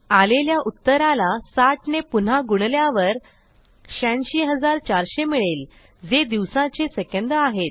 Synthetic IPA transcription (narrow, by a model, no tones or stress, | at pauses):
aleljaʔut̪ːəɾalasaʈnepun̤aɡuɳljaʋəɾ | ɕãnɕiːɦəd͡zaɾt͡ɕaɾɕemiɭel | d͡zed̪iʋsãt͡sesəkẽnd̪əaɦet̪̚